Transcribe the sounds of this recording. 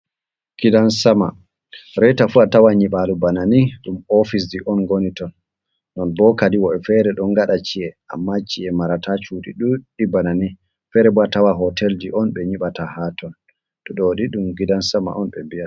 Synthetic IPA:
ɡ̥idansama | ɾɛjtafuatawaɲiɓalubananiɗumɔfis̬d͡ʒiʔɔnɡonitɔnː | ɔnbɔkadiwɔɛfɛɾɛɗɔnɡaɗat͡ʃiɛʔa̰mːat͡ʃːiɛmaɾatʰat͡ʃuɗḭɗuɗibanani | fɛɾɛbɔatawaɦɔtʰɛld͡ʒiʔɔnɓɛɲiɓatahatɔn | ɗɔɗoɗiɗumɡidansama̰ʔɔnɓɛmbia

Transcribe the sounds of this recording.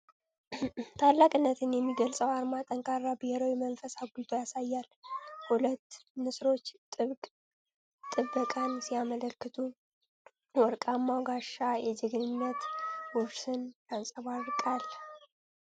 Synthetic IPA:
t̪ʰalːakʼɨnːət̪ʰɨnjɛmːiɡəlsʼəwaɾmat̪ʼəŋkʰʼarːabɨheɾowimənfəsaɡud̪ajasajːalhulət̪ːmɨsɾo̞t͡ʃːt̪ʼɨβkʼ | t̪ʼːɨbːəkʼansijamələlkːɨt̪ʰu | wɔɾkʼamːawɡaʃajɛd͡ʒɪɡɨnɨnːət̪wɔsɨnjansʼəβaɾkʼal

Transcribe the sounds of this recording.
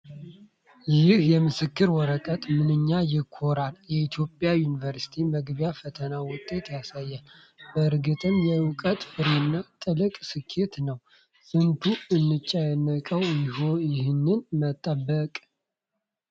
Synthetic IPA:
jɪhjɛmɨsɨkːɨɾwɔɾəkʼət̪ʼmɨnɨɲːajɪkʰːoɾaljɛit̪ʰjo̞pʼjajunivəɾsi̥t̪ʰiməɡbjafət̪ʰənawʊt̪ʼːe̞t̪jasajːal | bəɨɾɡɨt̪ʼɨmjɛɨkʼət̪ʼfɨɾenːat̪ʼɨlɨkʼsɨkʰːe̞t̪nəw | fɨnt̪ʰuɨnːɨt͡ʃʼːajɛnːəkʼəwjɪhojɪhɨnːɨnmət̪ʼːəbːəkʼ

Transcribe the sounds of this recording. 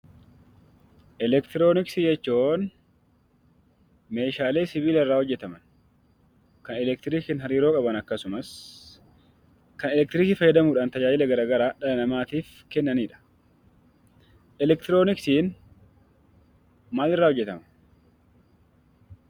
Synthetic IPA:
ʔɛlɛkt̪ɪɾo̞ːnɪksɪd͡ʒɛt͡ʃːoːn | me̞ːʃaːle̞ːsɪβiːlɪrːaːhɔd͡ʒːɛt̪ɐmɐn | kɐnɛlɛk̚t̪ɪɾiːkɪːnɦɐɾiːɾoːkʼɐbɐnɐkːɐsʊmɐs | kɐnɛlɛk̚t̪ɪɾɪkɪfɐjɐd̪ɐmuːᶑaːnt̪ɐd͡ʒaːd͡ʒɪlɛɡɐɾaːɡɐɾaːᶑɐlɐnɐmaːt̪iːf | kɛnːɐniːᶑɐ̥ | ʔɛlɛk̚t̪ɪɾoːnɪksiːn | maːlɪrːaːhɔd͡ʒːɛt̪ɐmɐ

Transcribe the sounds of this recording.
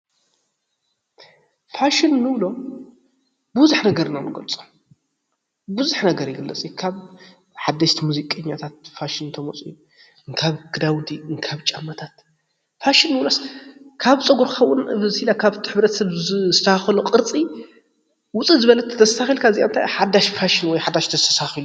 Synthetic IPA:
faʃinːɨβlo̞ | bɨβzuħnɐɡɐɾnanɨɡɐlt͡sʼom | buzuħnɐɡɐɾjɪɡɨlːɐt͡sʼjukʰaβ | ħad̪ːɐʃt̪ʰimuzikʼɐɲːat̪ʰat̪̚faʃint̪ʰɐmot͡sʼuju | ɨŋkʰaβɡ̥ɨd̪awd̪iɨŋkʰaβt͡ʃʼamːɐt̪ʰat̪ | faʃinːɨwloskʰaβt͡sʼɨɡuɾxɐwːʔʊnβɨzhilakʰaβt̪ʰħɨβɾɐt̪ʰɐsɐβzsɨt̪ʰɐhaxɐluqʼɨɾt͡sʼi | wʊt͡sʼizɨβɐlɐt̪ʰt̪ʰːɐssaxilkʰaɨziʔaɨnt̪ʰa̰jħad̪aʃfaʃinwɔjħad̪aʃt̪ʰɐsɐsaxilu

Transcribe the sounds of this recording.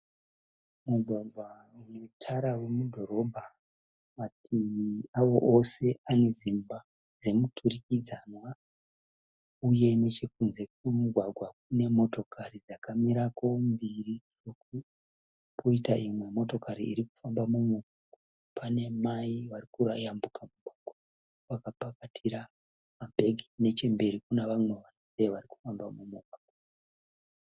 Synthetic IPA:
muɡʱwaɡʱwa | unetʰaɾawe̞mudʱo̞ɾo̞bʱa | matijiawo̞ʔose̞ane̞zimba | d͡ze̞mutʰurikid͡zanwa | uje̞ne̞t͡ʃe̞k̚unze̞kwumuɡʱwaɡʱwak̚une̞mo̞to̞kʰarid͡zakamiɾako̞mbiriroku | pʰoitaʔimwe̞mo̞to̞kaɾḭːɾiku̥fambamumuɡʱwaɡʱwaa | pʰane̞maiʋarikuɾajambukʰamuɡ̥ʱwaɡʱwa | ʋakapakatʰiɾa | mabʱe̞ɡʱine̞t͡ʃembe̞ɾikuneʋamwe̞ʋanoseʋariku̥fambamumuɡ̚ʱwaɡwa

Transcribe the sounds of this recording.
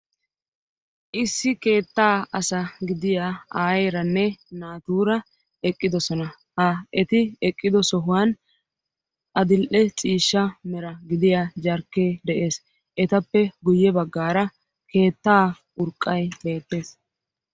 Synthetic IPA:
ʔɪsːɪke̞ːt̪ːaːɐsɐɡɪd̪ɪjaaːjeɾɐnːɛnaːt̪uːɾɐ | ɛkʼːɪd̪ɔsɔnɐ | hɐʔɛt̪ɪɛkʼːɪd̪ɔsɔɦʊwan | ʔɐd̪ɪlʔɛt͡sʼiːʃːɐmɛɾɐɡɪd̪ɪjad͡ʒɐɾkːeːd̪ɛʔe̞ːs | ʔɛt̪ɐpːɛɡʊjːɛbɐɡːaːɾɐ | ke̞ːt̪ːaː | ʊɾkʼːɐjbe̞ːt̪ːe̞ːs

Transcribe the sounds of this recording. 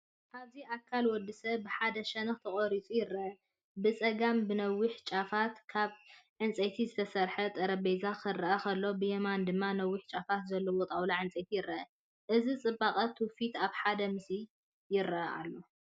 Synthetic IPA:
ʔaβziʔakʰːalwɔd̪ːɨsɐβbɨħad̪ɐʃɐnɨxt̪ʰɐχʼoɾit͡sʼujɪɾːɐʔɐ | bɨt͡sʼɐɡambɨnɐwːiħt͡ʃʼafat̪kʰaβʕɨnt͡sʼɐt̪ʰizɨt̪ʰɐsɐɾħɐt̪ʼɐɾɐbejzakʰɨrːɐʔɐkʰɐlːo̞bɨjemand̪ɨmːanɐwːiħt͡ʃʼafat̪zɐlːowot̪ʼawlaʕɨnt͡sʼɐt̪ʰijɪɾʔɐʔɐ | ʔɨzit͡sʼɨbːaqʼɐt̪ʰufit̪aβħad̪ɐmɨsi | jɪɾɐʔɐʔa̰lːo̞

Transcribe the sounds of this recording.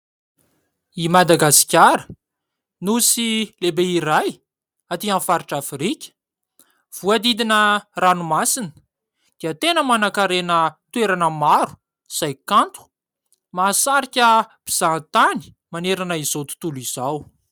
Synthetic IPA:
imad̪aɡasi̥kʲaɾə | nusilebeiɾaj | at̪ianfaɾiʈ͡ʂafrikʲə̥ | v̥uad̪id̪inəranumasinə̥ | d̪̥iət̪enəmanakaɾenət̪uweɾanəmaɾu̥ | z̥ajkant̪u̥ | masaɾikʲəb̥iz̥ant̪ani̥ | maneɾanəizot̪u̥t̪uliz̥aw

